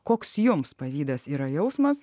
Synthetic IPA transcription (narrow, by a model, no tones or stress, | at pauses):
koːksjʊmspɐʋʲiːd̪ɐsiːɾɐjɛʊsmɐs